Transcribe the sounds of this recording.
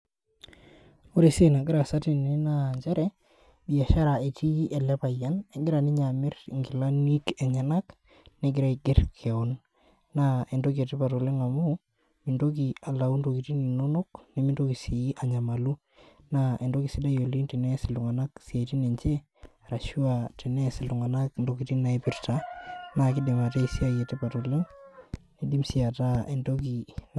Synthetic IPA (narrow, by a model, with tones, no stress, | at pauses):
o˦ɾe˨se˦na˨ɡɪ˦ɾa˨sa˦ti˨n˨i˦naɲt͡ʃa˦ɾɛ˦ | bi˨a˨ʃa˦ɾa˨e˨ti˦i˦ʔɛ˨lɛ˦pa˨ja˦ne˨˦ɡɪ˦ɾa˨ni˦ɲamɪ˦r̰ŋɡɪ˨la˦ni˦kɛ˨ɲa˨na˦k | ne˨ɡɪ˦ɾa˦iɡɪ˦rkʰɛ˨ɔ˨nː | ae˨ndo˦ki˨e˨ti˦pa˨to˨le˦ŋa˨mu˦ | mi˨ndo˦k̬i˨a˨la˨u˦ndo˨ki˨ti˦ni˨no˦no˦kne˦mi˦ndoki˨si˨iʔa˨ɲa˨malu˦ | naʔe˨ndo˦ki˨si˦da˦jo˨li˦ntinɛ˦sɪ˨lʊ˨ŋa˨na˦ksi˨a˨iti˦ne˨ɲt͡ʃe˦ | ɾa˨ʃu˦ati˨nɛ˦sɪ˨lu˨ŋa˨na˦kndokiti˦na˨epɪ˦rtanakɪ˦di˨ma˨te˦isi˦a˦je˨te˦pa˨tole˦ŋne˦di˦msi˦a˨ta˦e˨ndoki˨n